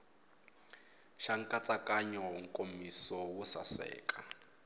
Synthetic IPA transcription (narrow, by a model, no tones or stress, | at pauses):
ʃaŋ̩kʼat͡sʼakʼaɲɔŋ̩kʼomisɔwʊsa̰sɛ̰ːkʼa